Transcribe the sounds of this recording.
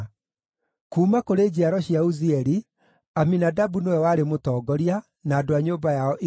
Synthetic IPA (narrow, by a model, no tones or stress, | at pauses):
kuːmakoɾed͡ʑiaɾɔɕiauziɛɾi | aminadabunowɛwaːɾemotɔːɡɔɾia | naːdoaɲoːbajaɔʔ